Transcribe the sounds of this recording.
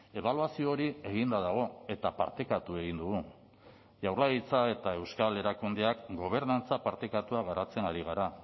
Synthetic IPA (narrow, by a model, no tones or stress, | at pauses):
e̞β̞aluasioːɾie̞ɣ̞ind̪aðaɣ̞o̞e̞t̪apa̰ɾt̪e̞kat̪ue̞ɣind̪uɣu | ʝawɾlait͡sae̞t̪ae̞wskale̞ɾakund̪eakɡo̞β̞e̞ɾnant͡sapaɾt̪ekat̪uaɣ̞aɾat͡se̞naɾiɣ̞aɾa